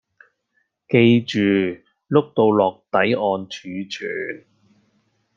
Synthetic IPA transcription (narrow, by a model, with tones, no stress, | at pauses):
ke˧jt͡ʃyː˨ | lʊ˥k̚t̪o˧wlɔː˨˩k̚t̪ɐ˨˥jɔː˨˧nt͡ʃʰyː˨˧t͡ʃʰy̰ː˨˩n